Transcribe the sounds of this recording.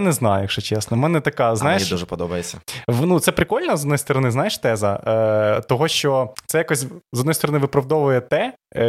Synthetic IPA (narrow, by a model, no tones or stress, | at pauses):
nɛznɑjʊʂɛt͡ʃɛsnɔmɛnɛt̪ɐkɑznajeiʃduʒɛpɔd̪ɔbɐjet͡sʲːɐʋnut̪sɛpɾɪkɔlʲnɐzɔd̪ɔjst̪ɔɾɔnɪznajeʂt̪ɛzɐ | t̪ɔɦɔʃt͡ʃɔt̪sɛjakɔsʲzɔd̪nɔjst̪ɔɾɔnɪʋɪpɾɐwd̪ɔʋʊjɛt̪ɛ